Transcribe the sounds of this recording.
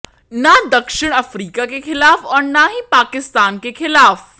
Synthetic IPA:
nad̪ɐkʃɪɽ̃ɐfɾiːkakexɪlaːfɐnnaɦipaːkɪst̪aːnkexɪlaːf

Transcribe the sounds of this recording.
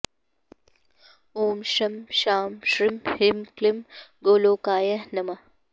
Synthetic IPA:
oːmʃɐmʃaːmʃɾimhimklimɡoːloːkaːjɐhnɐmɐ

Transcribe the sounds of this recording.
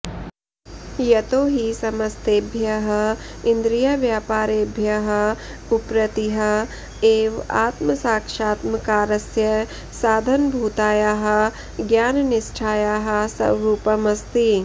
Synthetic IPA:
jɐt̪oːɦisɐmɐst̪eːbʱjɐɦɐɪnd̪ɾijaʋjaːpaːɾeːbʱjɐɦɐ | ʊpɾɐt̪iɦɐ | eːʋa̰ːt̪mɐsaːkʃaːt̪mɐkaːɾɐsjɐ | saːd̪ʱɐnbʱuːt̪aːjaːɦɐ̆ | ɡjaːnnɪsʈʰaːjaɦɐ̆sɐ̰ʋɾuːpɐmɐst̪i

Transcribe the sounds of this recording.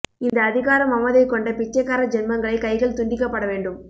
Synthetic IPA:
ɪnd̪ɐːðɪɣaːɾɐmɐmːɐðɐɪkːɔɳɖɐpɪt͡ʃːɐkːaːɾɐd͡ʒɛnmɐŋɡɐɭɐɪkɐɪɣɐɭt̪ʊɳɖɪkːɐpːɐɽɐʋeːɳɖɯm

